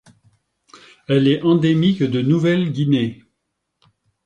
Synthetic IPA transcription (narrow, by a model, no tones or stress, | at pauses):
ɛlɛɑ̃d̪emikd̪ənuvɛlɡʲine